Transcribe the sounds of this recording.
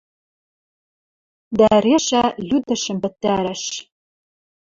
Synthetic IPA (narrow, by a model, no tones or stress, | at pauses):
d̪ɑɾeʃɑjyd̪ə̆ʃə̆mpɘ̆t̪ːæɾæʃ